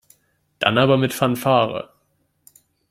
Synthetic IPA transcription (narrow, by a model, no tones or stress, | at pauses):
d̥a̰naːbɐmɪtfanfaːʁə̰